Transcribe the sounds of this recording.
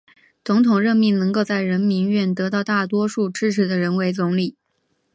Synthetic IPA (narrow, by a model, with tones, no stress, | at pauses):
t͡sʊ˧˥ŋt̪ʰʊ˨˩ŋɻə˥˧nmi˥˩ŋnɤ˧˥ŋko˥˧ʊt͡sa˥˩ɪɻə˧˥nmi˧˥nɥɛ˥˩nt̪ɤ˧˥t̪ɑ˥˧ʊt̪a˥˩t̪wɔ˥ʂu˥˩ʈ͡ʂɻ̩˥ʈ͡ʂ̩ʰ˧˥d̪ə˧ɻə˧˥nwe˧˥ɪt͡sʊ˧˥ŋli˨˩˦